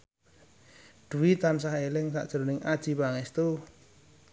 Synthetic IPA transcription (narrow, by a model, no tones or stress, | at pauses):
ɖ̪̥ṳwit̪ansahelɪŋsa̰ʔd̥ʒ̥əɾonɪŋad̥ʒ̥i̤paŋɛst̪u